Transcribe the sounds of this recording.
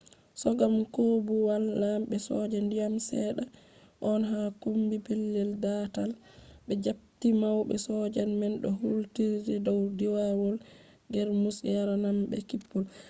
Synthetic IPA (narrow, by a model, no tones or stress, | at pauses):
sɔɡamkobuwalːamɓɛsɔ̰d͡ʒandijamsɛɗa | ʔɔnɦakumbipilːɛldatal | bɛd͡ʒap̚timawbɛ̰sɔd͡ʒanmɛnɗɔhultiɾdɛdɔwdiwawɔl | ɡɛɾmusjaɾanambɛ̰kipːul